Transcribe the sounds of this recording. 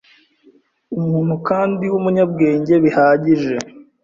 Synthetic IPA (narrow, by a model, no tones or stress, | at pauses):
umuːn̥hukaːndiwumuɲab̚ɡe̞ːɲɟe̞βihaːɟiʒe̞